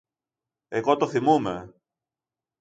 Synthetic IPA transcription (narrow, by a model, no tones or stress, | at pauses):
eɣot̪oθimume